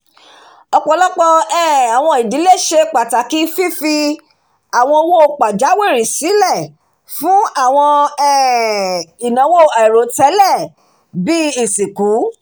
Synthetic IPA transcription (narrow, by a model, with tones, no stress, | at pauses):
ɔ˧k͡pɔ˧˦lɔ˦k͡pɔ˧ɛ˦˨a˨w̃ɔ̃˧˨i˨di˨˦le˦˨ʃe˧k͡pa˨ta˨ki˨˦fi˦fi˧ | a˨w̃ɔ̃˧o˧˦wo˦˧k͡pa˨d͡ʒa˨˦we˦˨ɾi˨si˨˦lɛ˦˨ | fũ˦a˦˨w̃ɔ̃˧ɛ˦˨ | i˨nã˨˦wo˦˨ɛ˨ɾo˨˦tɛ˨˦lɛ˦˨ | bi˦i˨si˨ku˨˦